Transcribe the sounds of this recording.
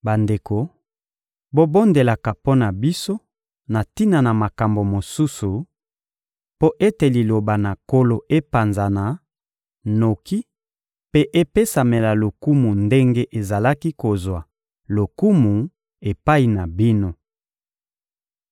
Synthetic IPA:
ba˨nde˨ko˨ | bo˦bo˦nde˨la˨ka˨po˦na˨bi˦so˦ | na˨ti˦na˨na˨ma˨ka˨mbo˨mo˨su˦su˨ | po˦ʔe˦te˨li˨lo˨ba˨na˨ko˦lo˨ʔe˦pa˨nza˨na˨ | no˨ki˦ | pe˦ʔe˦pe˦sa˨me˨la˨lo˨ku˦mu˨nde˦ŋɡe˦ʔe˨za˨la˦ki˦ko˨zwa˨ | lo˨ku˦mu˨ | e˨pa˦i˨na˨bi˦no˦

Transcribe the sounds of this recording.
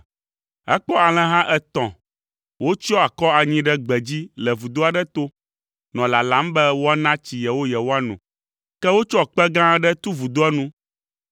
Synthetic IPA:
ɛ̰˦k͡pɔ˦a˨l̃ɛ̃˨ɦã˦ʔɛ˦t̪ɔ̃˨ | wo˦t͡ɕi˦ɔ˦a˨kɔ˦a˨ɲĩ˦ɖɛ˦ɡ͡bɛ˨d͡ʑi˦lɛ˨vu˨d̪o˦a˨ɖɛ˦t̪o˦ | nɔ̃˨la˨lã˨˦mbɛ˦wo˦a˦nã˦t͡ɕi˨jɛ˨wo˦jɛ˨wo˦a˦nṵ̃˨ | kɛ˦wo˦t͡ʃɔ˦˨k͡pɛ˦ɡã˦ɖɛ˦t̪u˦vu˨d̪o˦ɛ˦nũ˦

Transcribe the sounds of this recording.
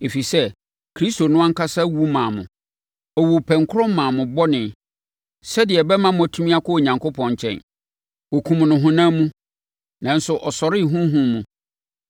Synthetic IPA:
e˨fi˨sɛ˦ | kʰɾi˦sto˨nʊ̃˦ã˦ŋ̩˦kʰa˦sa˦wu˦mãː˨mʊ̰̃˨ | ɔ˨wu˨pʰɛ̃˨ŋ˨kʰʊ˦ɾɔ̃˦m˦mãː˨mʊ̃˨bɔ˦nɪ̃˨ | sɛ˦dɪ˨ɛ˨bɛ˦mã˦mʊ̃˨æ˨tʰũ˦mĩ˦a˦kɔ˦˨ɲã˨ŋkʰo˦pʰɔ̃˨ɲ˨t͡ɕʰɛ̰̃˦n | wɔ˨kʰũ˨m˨nʊ̃˨ɦʊ̃˦nã˦mũ˦ | nã˨n̩˦sʊ˨ʔɔ˨sɔ˨ɾɪ˦˨ɦʊ̃˦ɦũ˦mũ˨

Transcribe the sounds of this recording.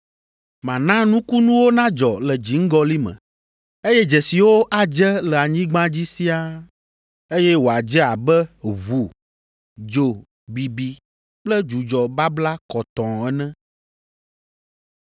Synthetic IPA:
mã˨nã˦nũ˦ku˦nũ˦wo˦nã˦d͡ʒɔ˨lɛ˨d͡ʑi˨˦ŋ̩˦ɡɔ˦li˦mɛ̰̃˨ | e˦jɛ˦d͡ʒɛ˨si˨wo˦ʔa˨d͡ʒɛ˦lɛ˨a˨ɲĩ˦ɡ͡bã˦d͡ʑi˦si˦a˦ | e˦jɛ˦wo˨a˨d͡ʒɛ˦a˨bɛ˦βu˨ | d͡ʒo˨ | ɡ͡bi˨bi˨ | k͡plɛ˦d͡ʒu˨d͡ʒɔ˨ba˦bla˦kɔ˨t̪ɔ̃˨ɛ˦nɛ̃˦

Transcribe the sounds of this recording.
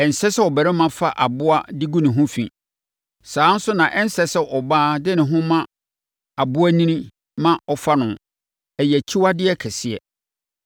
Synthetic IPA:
ɛ˨n̩˨sɛ˦sɛ˦ɔ˨bæ˨ɾɛ˦mã˦fa˦ʔa˨bʊ˦a˦di˦ɡũ˦nɪ̃˨ɦʊ̃˦fḭ̃˨ | saː˨˦n̩˦sʊ˦nã˨ʔɛ˦n̩˦sɛ˦sɛ˦ʔɔ˨baː˦dɪ˦nɪ̃˨ɦʊ̃˦mã˦ | a˨bʊ˦æ˦nĩ˦nĩ˦ | mã˦ɔ˨fa˦nʊ̃˨ | ɛ˨jɛ˨t͡ɕʰi˦wa˦dɪ˦ɛ˦kʰɛ˨sɪ˦ɛ̰˨

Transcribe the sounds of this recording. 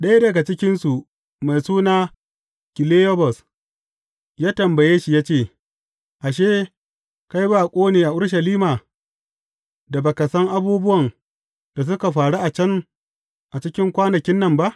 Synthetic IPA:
ɗɐ˦ja˦dɐ˨ɡa˨t͡ʃɪ˦kʲɪ˦nsu˨ | ma˨jsuː˦naː˦ | kʲɪ˨le˦jo˦bɐ˨s | jaː˦tɐ˨mbɐ˨jeː˦ʃi˨jaː˦t͡ʃeː˦˨ | ʔa˨ʃ̬eː˦ | ka˦jbaː˦˨kʷʼoː˦neː˨ʔa˨ʔʊ˦ɽʃ̬ɐ˨liː˦maː˨ | da˨bɐ˨kɐ˨sɐ˦ŋʔa˦buː˦bʊ˦wɐ˨ŋ | d̥a˨s̬ʊ˦ka˨ɸaː˨ɽu˦ʔa˨t͡ʃɐ˦n | ʔa˨t͡ʃɪ˦kʲɪ˦ŋkʷaː˦nɐ˨kʲɪ˦nːɐ˦mba˦ʔ

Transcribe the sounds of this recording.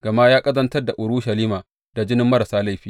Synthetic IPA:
ɡ̥ɐ˨maː˦jaː˦kʼɐ˦zɐ˦ntɐ˦rda˨ʔʊ˨ɽu˦ʃɐ˨liː˦maː˨ | d̥a˨d͡ʒɪ˦nɪ˦mːɐ˦ɾa˨saː˦la˦˨jɸiː˦

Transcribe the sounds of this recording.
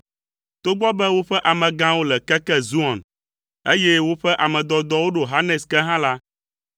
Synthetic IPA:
t̪o˦ɡ͡bɔ˦bɛ˦wo˦ɸɛ˦ʔa˨mɛ̃˨ɡã˦wo˦lɛ˨kɛ˦kɛ˦zu˦ɔ̃˨n | e˦jɛ˦wo˦ɸɛ˦ʔa˨mɛ̃˨d̪ɔ˨d̪ɔ˦wo˦ɖo˨ɦa˦nɛ˨skɛ˦ɦã˦la˦

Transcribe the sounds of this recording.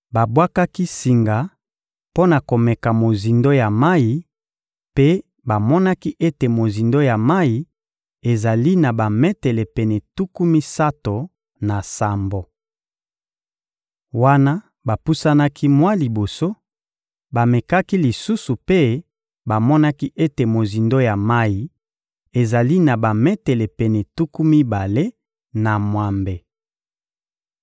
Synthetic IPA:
ba˨bwa˦ka˦ki˦si˨ŋɡa˨ | po˦na˨ko˨mɛ˨ka˨mo˨zi˨ndo˦ja˨ma˦ji˨ | pe˦ | ba˨mɔ˦na˦ki˦ʔe˦te˨mo˨zi˨ndo˦ja˨ma˦ji˨ | e˨za˨li˦na˨ba˨mɛ˦tɛ˨lɛ˨pɛ˨nɛ˨tu˦ku˦mi˦sa˦to˨ | na˨sa˨mbo˨ | wa˦na˦ | ba˨pu˦sa˦na˦kʰi˦mwa˦li˨bo˨so˦ | ba˨me˨ka˦ki˦li˨su˦su˨pe˦ | ba˨mɔ˦na˦ki˦ʔe˦te˨mo˨zi˨ndo˦ja˨ma˦ji˦ | e˨za˨li˦na˨ba˨mɛ˦tɛ˨lɛ˨pɛ˨nɛ˨tu˦ku˦mi˦ba˨le˦ | na˨mwa˨mbe˨

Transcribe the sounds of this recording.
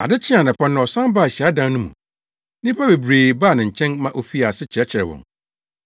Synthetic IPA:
a̰˨dɪ˦t͡ɕʰɪ˦a˨nɪ̃˨pʰa˦nʊ̃˦ɔ˨sã˦baː˦˨ɕi˨a˦dã˦n˦nʊ̃˦mṵ̃˨ | nɪ̃˦pʰa˦be˨bɾeː˨baː˦˨nɪ̃˨ɲ̩˨t͡ɕʰɛ̃˦nmã˦ʔo˦fi˦a˨sɪ˦t͡ɕʰɪ˨ɾɛ˦t͡ɕʰɪ˨ɾɛ̰˨wɔ̰̃˨n

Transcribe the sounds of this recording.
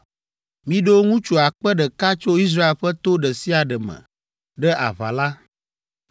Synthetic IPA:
mĩ˦ɖo˦ŋũ˦t͡ʃu˨a˨k͡pɛ˦ɖə˨ka˦t͡ʃo˦i˦s̬ɾa˦e˨lɸɛ˦t̪o˦ɖə˨si˦a˨ɖɛ˨mɛ̰̃˨ | ɖɛ˦ʔa̰˨βa̰˨la˦

